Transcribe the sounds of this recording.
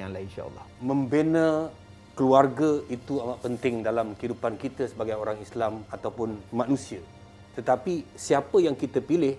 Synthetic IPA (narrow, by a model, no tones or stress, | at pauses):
jaŋlainʃa̰ɑ̰lˠːɑ̰hmə̃mbena | kəluarɡait̪uamaʔpənt̪ɪŋdalamkəidupankit̪əsəbaɡajoɾaŋislamat̪awpʊnmãnũsia | t̪ət̪apisiapəjaŋkit̪əpilɪh